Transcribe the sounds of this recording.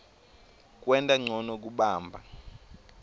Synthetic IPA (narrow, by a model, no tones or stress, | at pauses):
k̬ʼwɛntʼaŋ͡ǀʱɔnɔk̬uɓaːmbʱa̰